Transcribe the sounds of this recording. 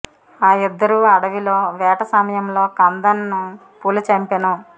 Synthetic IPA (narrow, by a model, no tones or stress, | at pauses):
aːid̪ːɐɾuɐɽɐʋilo̞ːʋɛːʈɐsɐmɐjɐmlo̞ːkɐnd̪ɐnːu | puːlɐt͡ʃɐmpenu